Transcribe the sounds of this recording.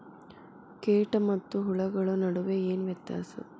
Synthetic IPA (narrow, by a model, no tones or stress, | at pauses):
keːʈɐmɐt̪ːuɦuɭɐɡɐɭɐnɐɽuʋeeːnʋjɐt̪ːja̰ːsɐ̰